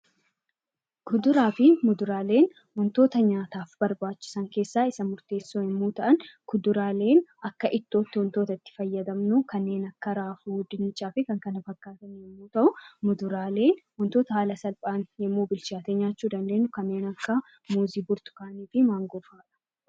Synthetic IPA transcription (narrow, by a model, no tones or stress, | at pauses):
kʰʊd̪ʊɾaːfɪmʊd̪ʊɾaːle̞ːn | wɔnt̪o̞ːt̪ɐɲaːt̪aːfb̥ɐɾbaːt͡ʃːɪ̥sɐŋke̞ːsːaːɪsɐmʊɾt̪e̞ːsːoːhɛmːuːt̪ɐʔɐnkʊd̪ʊɾaːle̞ːnɐkːɐʔɪt̪ːo̞ːt̪ːɪwɔnt̪o̞ːt̪ɐɪt̪ːɪ̥fɐjːɐd̪ɐmnʊkɐnːe̞ːnɐkːɐɾaːfuːd̪ɪnt͡ʃʼːaːfɪkɐŋkɐnɐfɐkːaːt̪ɐnhɛmːuːt̪ɐʔʊmʊd̪ʊɾaːle̞ːnwɔnt̪o̞ːt̪ɐhaːlɐsɐlpʼaːnjɛmːuːbɪlt͡ʃaːt̪eɲaːt͡ʃːuːd̪ɐnd̪e̞ːnːʊkɐnːe̞ːnɐkːɐ | muːziːbʊɾt̪ʊ̥kaːniːfɪmaːŋɡɔfaːᶑɐ̥